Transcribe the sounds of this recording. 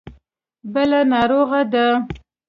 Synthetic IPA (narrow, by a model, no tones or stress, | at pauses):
bəlanɑɾoɣad̪a